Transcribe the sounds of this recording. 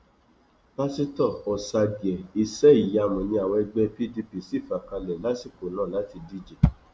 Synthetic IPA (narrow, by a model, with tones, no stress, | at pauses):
ba˦si˦tɔ˦˨ɔ˨sa˧ɡjɛ˨i˨sɛ˨˦i˨ja˨˧˨mɔ̃˨nĩ˧˦a˨wɛ˧ɡ͡bɛ˧pi˦di˧pi˦˨si˦˨fa˨˦˨ka˧lɛ˨la˦si˦˨ko˨lã˦˨la˨˦ti˧di˦d͡ʒɛ˨